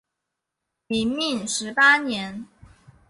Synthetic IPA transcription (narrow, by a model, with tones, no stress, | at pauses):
mi˧˥ŋmi˥˩ŋʂɻ̩˧˥pa˥njɛ˧˥n